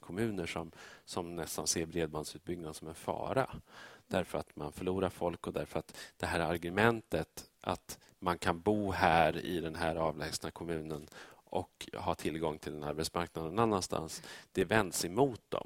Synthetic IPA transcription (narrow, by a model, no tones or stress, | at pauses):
kʰɔmʉ̟ːnəʂɔmsɔmnɛst̪anseːɾbɾeːd̪̚band̪sʉ̟ːt̪̚bʏɡ̚nad̪əsɔmɛnfɑ̰ːɾa̰d̪̥æɾfœɾat̪manfœɭuːɾaɾfɔlkɔd̪æɾfœɾat̪d̪̥ɛɦæːɾaɾɡɵmɛnt̪ət̪ʔa̰t̪ | mankʰanbuːhæːɾɪ̰d̪ɛnɦæːɾɑːvlɛːɡsnakʰɔmʉ̟ːnənʔɔ̰khɑːt̪ʰɪlɡɔŋːt̪ʰɪld̪ɛnaɾbɛt̪smaɾknad̪ɛnanːanst̪ʰa̰nsd̪̥ɛvɛnd̪sɛmuːt̪̚d̪̥ɔ̰m